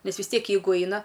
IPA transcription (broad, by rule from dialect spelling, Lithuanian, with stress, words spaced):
ˈnʲɛs ʋʲɪs ˈtʲiɛk ˈjɛɪɡʊ ˈɐɪnɐ